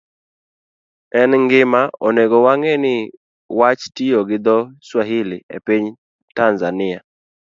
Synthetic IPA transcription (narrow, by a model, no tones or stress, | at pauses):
ɛnŋɡɪmaɔneɡɔwaŋɛnɪ | wat͡ʃtijoɡɪd̪ɔswaɦɪlɪḛpiɲ | tanzanɪa